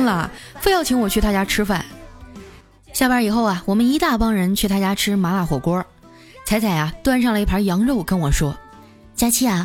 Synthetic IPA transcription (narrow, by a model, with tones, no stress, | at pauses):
ŋlə˨fe˥˧ɪjɑ˥˩ʊt͡ɕʰi˧˥ŋwɔ˨˩t͡ɕʰy˥˧t̪a˥˧t͡ɕja˥ʈ͡ʂʰɻ̩˥fa̰˥˩n | ɕja˥˩wə˞˧˥i˨˩xo˥˩ʊɐ˩wɔ˨˩mə˦ni˧˥t̪a˥˩pɑ˥ŋɻə˧˥nt͡ɕʰy˥˩t̪a˥˧˩t͡ɕja˥ʈ͡ʂʰɻ̩˥ma˧˥la˧˩xwɔ˨˩kwɔ˥ | t͡sʰa˧˥ɪt͡sʰa˨˩ɪɐ˧t̪wa˥nʂ̬ɑ˥˩ŋlə˩i˥˩pʰɐ˧˥jɑ˧˥ŋɻo˥˩ʊkə˥nwɔ˨˩ʂwɔ˥ | t͡ɕja˥t͡ɕʰi˥˩ɐ˩